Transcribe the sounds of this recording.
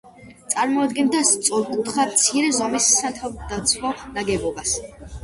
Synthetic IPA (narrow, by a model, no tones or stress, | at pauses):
t̪sʼaɾmɔad̪ɡɛnt̪ʰast̪sʼɔɾkʼut̪χamt̪sʰiɾɛzɔmisːat̪ʰavd̪at̪sʰwɔnaɡɛbɔbas